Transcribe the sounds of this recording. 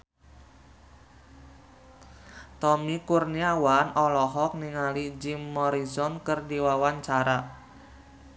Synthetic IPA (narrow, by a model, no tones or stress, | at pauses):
t̪ɔmikurniawanɔlɔɦɔk̚niŋalid͡ʒimːɔɾizɔnkərdiwawaɲt͡ʃaɾa